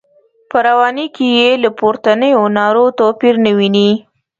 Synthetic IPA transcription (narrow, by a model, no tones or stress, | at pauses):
pəɾawɑnikʰejelapoɾt̪anəjonɑɾot̪opiɾnəwini